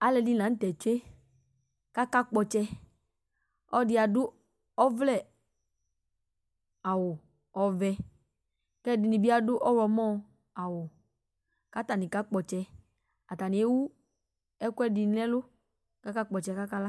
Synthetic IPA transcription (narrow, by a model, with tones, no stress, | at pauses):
a˦lɛ˧di˦˧nã˨˦tɛ˨t͡ʃe˦ | ka˦ka˦k͡pɔ˧t͡ʃɛ˧ | ɔ˦dɪ˧˦a˨dʊ˦ | ɔ˦vlɛ˦˨ | a˨wʊ˨ | ɔ˨vɛ˧ | kɛ˦dɪ˧ni˨bi˦a˦dʊ˦ʔɔ˦ɾɔ˧mɔ˦˨ | a˨wʊ˨ | ka˦ta˨ni˨ka˦k͡pɔ˨t͡ʃɛ˧ | a˨ta˨ni˨e˦wu˦ | ɛ˦kʷɛ˦di˧n˦lɛ˦lʊ˦ | ka˦ka˦k͡pɔ˨t͡ʃɛ˧ka˦ka˦la˦